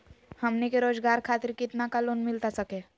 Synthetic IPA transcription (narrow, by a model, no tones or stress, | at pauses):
həmnekeɾoːd͡ʒɡaːɾkʰaːt̪ɪɾkɪt̪nakaloːnmɪlt̪asəke